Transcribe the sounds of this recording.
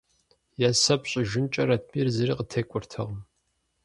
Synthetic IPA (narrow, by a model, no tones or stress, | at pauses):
jasɐpɕʼɪʒɪnt͡ʃʼɐɾɐt̚ʰmirzɐriːqətʰeːkʷʼʊrtʰɨʁəm